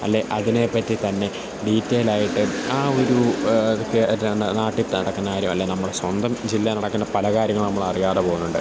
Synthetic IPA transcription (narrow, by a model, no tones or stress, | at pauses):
ɐ̰lːe̞ʔɐðine̞pːɐtːit̪ɐnːe̞ | ɖiːtːeːlaːjiʈːɨaːo̞ɾuðokːenaːʈːit̪ːɨnɐɽɐkːɐnːaːjiɾjumɐlːe̞ːnɐmːuɽeswɐnd̪ɐmd͡ʑilːɐnɐɽɐkːɨnːɐpɐlɐkaːɾjɐŋːɐɭnɐmːɐɭɐrijaːrepoːɣunːuɳɖɨ